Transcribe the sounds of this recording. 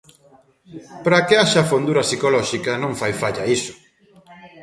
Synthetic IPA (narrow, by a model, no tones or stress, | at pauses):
pɾakɪaʃɐfond̪uɾɐsikolɔʃikɐnõŋfajfaʎɐisʊ̥